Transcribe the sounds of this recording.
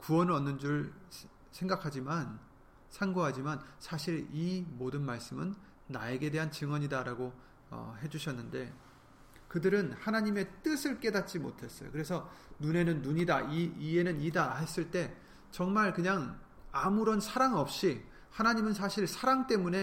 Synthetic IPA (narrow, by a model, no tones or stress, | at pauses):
kuʌnʌnːɯnd͡ʑuɾɯɭ | sʰe̞ŋɡakʰad͡ʑiman | sʰaŋɡoɦad͡ʑimansʰaɕʰiɭimodɯnmaɭs͈ɯmɯnː | ae̞ɡe̞de̞ɦant͡ɕɯŋwʌɲidaɾaɡo | ʌ̰ɦe̞d͡ʑuɕʰʌnːɯnde̞̰ | kɯdɯɾɯnhanaɲime̞t͈ɯsʰɯɭk͈e̞dat̚t͡ɕ͈imo̰tʰe̞s͈ʌjo̰kɯɾe̞sʰʌnune̞nɯnːuɲidaiie̞nɯnidaɦe̞s͈ɯɭt͈e̞ | t͡ɕʌŋmaɭkɯɲaŋ | amuɾʌnsʰaɾaŋʌp̚ɕ͈i | hanaɲimɯns̬ʰaɕʰiɭsʰaɾaŋt͈e̞mune̞